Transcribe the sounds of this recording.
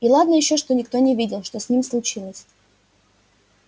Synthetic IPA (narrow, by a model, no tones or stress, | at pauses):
ilˠad̪nəjɪɕːo̞ʂt̪o̞nʲɪk̚t̪o̞nʲɪvʲidʲɪlˠʂt̪o̞sʲnʲimʲslˠʊt͡ɕilˠəsʲ